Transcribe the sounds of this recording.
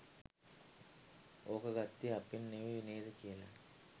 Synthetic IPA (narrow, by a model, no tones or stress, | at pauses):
oːkəɡat̪ːiapinːeʋiʋineːd̪əkijəla̰